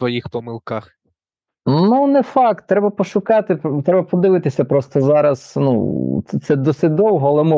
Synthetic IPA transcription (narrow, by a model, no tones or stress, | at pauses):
ʋɔjixpɔmɪlˠkɑx | nunɛfɑk̚t̪ːɾɛbɐpɔʃʊkɑt̪ɪpt̪ɾɛbɐpɔd̪ɪʋɪt̪ɪsʲɐpɾɔst̪ɔzɑɾɐznṵt̪t̪sɛd̪ɔsɪtʲd̪ɔwɦɔɐlˠɛmɪ